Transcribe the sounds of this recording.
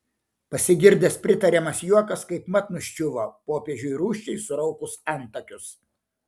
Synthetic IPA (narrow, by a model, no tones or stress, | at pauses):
pɐsʲɪɡʲɪɾʲd̪ʲespʲɾʲɪt̪ɐɾʲɛmɐsjuɔkɐskɐɪpmɐt̪nʊʃʲt͡ʃʲʊʋoːpoːpʲeːʒʲʊɾuːʃʲt͡ʃʲɛɪsʊɾɐʊkʊsɑˑnt̪ɐkʲʊs